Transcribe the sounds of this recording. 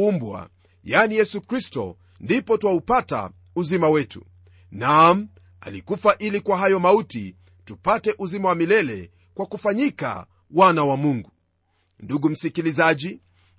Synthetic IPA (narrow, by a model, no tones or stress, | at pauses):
umbwa̰ | janijɛsukɾistɔ̰ | ndipɔtwaupata̰ | uzimawɛtṵ | nam̩ | a̰likufaʔilikwaɦajɔmautḭ | tupatɛʔuzimawamilɛlɛ̰ | kwakufaɲika̰ | wanawamuŋɡu | nduɡum̩sikilizaʄi